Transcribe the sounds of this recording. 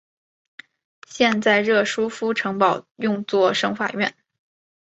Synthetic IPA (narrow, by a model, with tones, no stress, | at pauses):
ɕjɛ˥˧nt͡sa˥˧ɪɻɤ˥˩ʂu˥fu˥ʈ͡ʂʰɤ˧˥ŋpɑ˨˩ʊjʊ˥˧ŋt͡swɔ˥˩ʂɤ˥ŋfa̰˨˩ɥɛ̰˥˩n